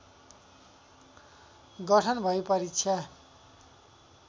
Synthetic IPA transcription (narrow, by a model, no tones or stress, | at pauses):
ɡʌʈʰʌnbʱʌjpʌɾit͡sʰʌ